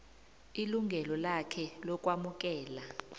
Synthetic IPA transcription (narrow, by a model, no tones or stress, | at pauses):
iluŋɡʱɛlɔlakʰɛlɔk̬ʼwamuk̬ʼɛːla